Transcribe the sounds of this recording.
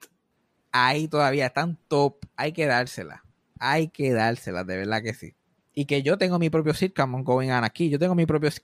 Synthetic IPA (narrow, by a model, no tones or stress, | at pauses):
ait̪o̞ðaβiaest̪ant̪o̞p̚ajke̞ðaɾse̞la̰ | ajke̞ðaɾse̞la̰ðe̞βe̞ɾðake̞sḭ | ike̞ʝo̞t̪e̞ŋɡo̞mipɾo̞pjosiɾkamoŋkowiŋanakiʝo̞t̪e̞ŋɡo̞mipɾo̞p̬jos